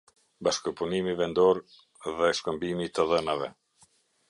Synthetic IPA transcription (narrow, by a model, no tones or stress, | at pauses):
baʃkəpunimivɛnd̪ɔɾ | ðɛʃkəmbimit̪əðənavɛ